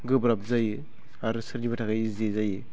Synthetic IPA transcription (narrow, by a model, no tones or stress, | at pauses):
ɡɯbɾap̚zajɯ | aɾusɯɾɡibatʰakajizezajɯ